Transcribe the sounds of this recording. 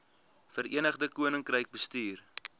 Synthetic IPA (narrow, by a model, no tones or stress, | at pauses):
fəɾḭənəχdəkuənəŋkrəjk̚bəstyːr